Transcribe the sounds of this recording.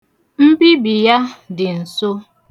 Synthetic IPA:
m̩˦bi˦bi˨ja˦dɪ˨n̩˨so˦

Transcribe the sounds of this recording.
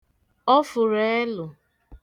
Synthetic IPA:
ɔ˦fʊ˨ɾe˨˦e˦lʊ˨

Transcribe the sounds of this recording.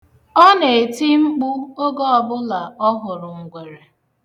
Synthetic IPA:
ɔ˦ne˨e˨ti˦ŋ͡m̩˦k͡pʊ˦o˦ɡɔ˦ɔ˨bʊ˦la˨ɔ˦ɦʊ˨ɾʊ˨ŋ̩˨ɡʷe˨ɾe˨

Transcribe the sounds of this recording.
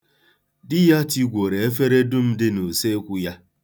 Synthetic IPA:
dɪ˦ja˦ti˦ɡʷo˨ɾe˨e˦f̬e˦ɾe˦dʊ˦m̩˦dɪ˦no˨se˦kʷu˦ja˦

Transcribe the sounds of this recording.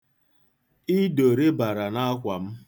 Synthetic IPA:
i˦do˨ɾe˦ba˨ɾa˨na˦kʷa˨m̩˦

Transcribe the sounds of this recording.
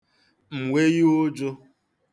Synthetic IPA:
m̩˨wʷe˦ji˦o˦d͡ʒo˦

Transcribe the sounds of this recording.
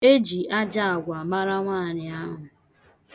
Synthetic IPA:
e˦d͡ʒi˨a˦d͡ʒa˦a˨ɡʷa˨ma˦ɾa˦ŋʷaː˦˨ɾɪ˨a˦ɦʊ˨

